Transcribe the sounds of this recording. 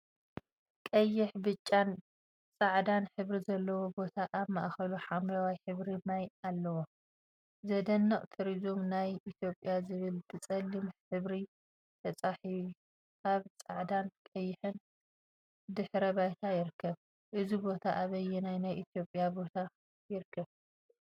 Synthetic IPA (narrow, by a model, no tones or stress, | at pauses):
kʼɐjːɪħbɨt͡ʃʼːan | t͡sʼaʕd̪anħɨβɾizɐlːɐwo̞bo̞t̪ʰaʔamaʔxɐluħamlɐwajħɨβɾimajalːɐwo | zɐd̪ɐnːɐχʼt̪ʰɨɾizumnajʔit̪ʰjo̞pʼjazɨβɨltʰɨt͡sʼɐlːimħɨβɾi | t̪ʰɐt͡sʼaħii | kaβt͡sʼaʕd̪ankʼɐjɪħɨn | d̪ɨħɾɐβajt̪ʰajɪɾɨkʰːɐβ | ʔɨzibo̞t̪ʰaʔaβɐjɛnajnajʔit̪ʰjo̞pʼjabo̞t̪ʰa | jɪɾkʰːɐβ